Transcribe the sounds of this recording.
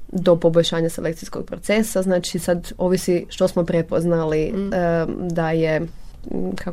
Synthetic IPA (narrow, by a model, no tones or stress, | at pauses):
d̪o̞po̞boʎʲʃaːɲaselekt̪sijskoɡ̚pɾot̪sesaznaːt͡ʃisad̪o̞ːʋisiʃt̪o̞smo̞pɾepoznali | d̪aje | kʰa